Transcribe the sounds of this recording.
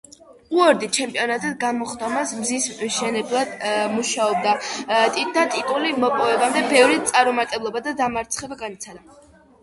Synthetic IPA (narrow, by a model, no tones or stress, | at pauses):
uɔɾd̪it͡ʃʰɛmpʼiɔnat̪ʼad̪ɡamɔχd̪ɔmasmzisʃɛnɛblˠad̪muʃaɔb̚d̪at̪ʼid̪at̪ʼit̪ʼulimɔpʼɔvɛbamd̪ɛbɛvɾit̪sʼaɾɔmat̪ʼɛblˠɔbad̪ad̪amaɾt̪sʰχɛbaɡanit̪sʰad̪a